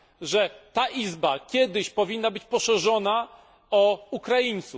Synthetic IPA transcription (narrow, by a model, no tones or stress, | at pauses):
ʐɛt̪aʔizbakʲjɛd̪ɘɕpɔvʲinːabɘt͡ɕpɔʂɛʐɔna | ɔukɾajint̪suf